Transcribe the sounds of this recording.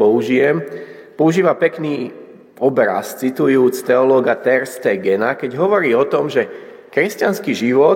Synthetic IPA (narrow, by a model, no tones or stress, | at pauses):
ɔuʒijɛm | pɔuʒiːʋapɛkniː | ɔbɾa̰st͡sit̪ujuːt͡st̪ɛɔlɔːɡat̪ɛɾst̪ɛːɡɛnakɛɟɦɔʋɔɾiːɔt̪ɔmʒɛ | kɾɛscanskiʒiʋɔ